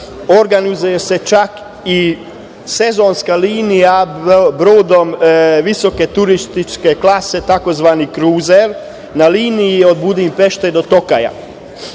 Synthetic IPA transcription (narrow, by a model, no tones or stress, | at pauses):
oɾɡanizujese̞t͡ʃak | i | se̞zo̞nskaliːnijabɾoːd̪o̞mʋiso̞ke̞t̪uɾist̪it͡ʃkeklaset̪ako̞zʋaːnikɾuːzeɾ | naliːnijio̞d̪̚bud̪impe̞ʃt̪ed̪o̞t̪o̞ka̰ja̰